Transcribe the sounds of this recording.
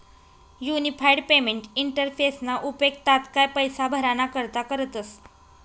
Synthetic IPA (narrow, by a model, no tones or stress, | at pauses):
junifajɖpemeɳʈiɳʈəɾfesnaʔupek̚t̪at̪kajpəjsabʱəɾanakəɾt̪akəɾət̪əs